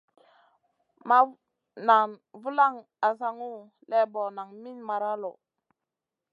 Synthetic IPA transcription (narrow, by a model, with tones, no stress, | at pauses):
ma˦ | na˨nvu˦la˦˨ŋ | a˨sa˦ŋu˦ | le˦bo˨na˨ŋmi˦nma˨ɾa˦lo˨